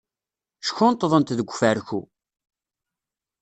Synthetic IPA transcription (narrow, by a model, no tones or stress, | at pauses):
ʃçʊnt̪ːəðˤənt̪ðəɡʷːfæɾçṵ